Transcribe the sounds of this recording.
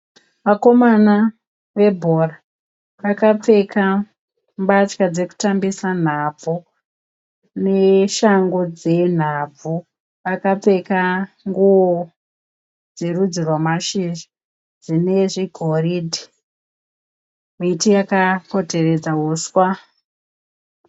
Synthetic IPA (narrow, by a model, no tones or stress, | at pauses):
ʋako̞mana | ʋe̞bʱora | ʋakap͡fe̞ka | mbat͡ʃkad͡ze̞ku̥tambisan̤ab͡vʱu | ne̞ʃaŋɡo̞d͡ze̞n̤ab͡vu | ʋakap͡fe̞ka | ŋɡuwo | d͡ze̞rud͡zirwamaʃiʒi̥ | d͡zine̞ʐiɡʱoridʱi | jeitijakako̞te̞re̞d͡zaɦuswa